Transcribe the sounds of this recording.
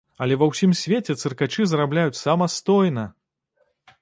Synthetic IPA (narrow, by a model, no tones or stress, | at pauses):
ɐlʲɛvɐwsʲimsʲvʲet͡sʲɛt̪sɨrkat͡ʂɨzrablʲajut͡sʲsamɐst̪ɔjnɐ